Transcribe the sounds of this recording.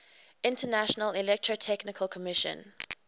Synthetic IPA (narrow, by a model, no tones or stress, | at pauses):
ɪ̃ntənæʃənəlɪlɛk̚tʰɹ̥otʰɛknɪkʰəlˠkʰɔmɪʃə̰̃n